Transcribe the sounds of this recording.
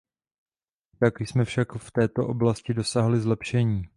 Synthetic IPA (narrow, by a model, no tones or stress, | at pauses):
t̪akjsmɛfʃakft̪ɛːt̪o̞ʔo̞blascɪdo̞saːɦlɪzlɛpʃɛɲiː